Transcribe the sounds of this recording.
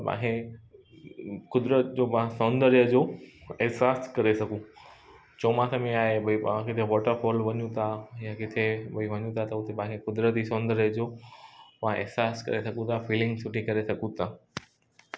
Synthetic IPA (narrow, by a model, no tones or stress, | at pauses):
pã̰ːkʰe | kʊd̪ɾət̪̚d͡ʑopãsɔ̃ːnd̪əɾjəd͡ʑoːɛɦsaːskɐɾesɐɡũ | t͡ɕoːmãsɐmẽaːɦebɐipãkɪt̪ʰeʋɔːʈəɾfɔːlʋɐɲũt̪ʰajãkɪt̪ʰebɐiʋɐɲũt̪ʰat̪ɐʊt̪epãːkʰekʊd̪ɾət̪isɔ̃ːnd̪əɾjəd͡ʑoːpãʔɪ̰ɦsaːskɐ̰ɾesɐɡũt̪ʰafiːlɪ̃ŋɡsʰʊʈʰikɐɾesɐɡũt̪ʰaː